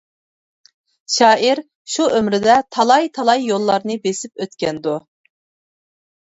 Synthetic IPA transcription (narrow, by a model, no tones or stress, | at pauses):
ʃɑːʔiɾ | ʃuʔømɾɪd̪ɛt̪ʰɑlˠɑjt̪ʰɑlˠɑjːolˠːɑɾnɨbesɪpøt̪kʲɛnd̪u